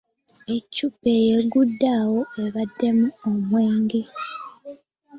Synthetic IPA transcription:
e̞cːupejeɡudːaːwo̞e̞βadːe̞muomweːŋɡi

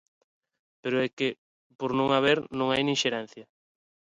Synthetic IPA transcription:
peɾʊɛkɪ | poɾnõŋaβ̞eɾnõŋajnĩŋʃeɾɛn̟θjɐ

